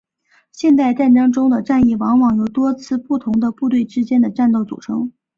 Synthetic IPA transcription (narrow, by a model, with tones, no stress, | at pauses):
ɕjɛ˥˧nt̪a˥˧ɪʈ͡ʂa˥˩nʈ͡ʂɑ˥ŋʈ͡ʂʊ˥ŋd̪ə˨ʈ͡ʂa˥˧ni˥˩wɑ˧˥ŋwɑ˨˩ŋjo˧˥ʊt̪wɔ˥t͡sʰɹ̩˥˧pu˥˩t̪ʰʊ˧˥ŋd̪ə˧pu˥˧t̪we˥˩ɪʈ͡ʂɻ̩˥t͡ɕjɛ˥nd̪ə˨ʈ͡ʂa˥˧nt̪o˥˩ʊt͡sṵ˨˩ʈ͡ʂʰɤ˧˥ŋ